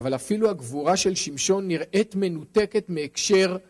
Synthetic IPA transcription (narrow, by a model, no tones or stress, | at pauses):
valafiluaɡvuʁaʃe̞lʃimʃo̞nːiʁʔetme̞nut̪e̞ke̞tmeːkʃe̞ʁ